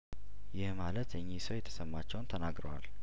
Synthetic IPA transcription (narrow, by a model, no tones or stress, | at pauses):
jɪhmalət̪jɛɲːisəwjɛt̪ʰːə̥səmːat͡ʃːɛwnt̪ʰənaɡɾəwa̰l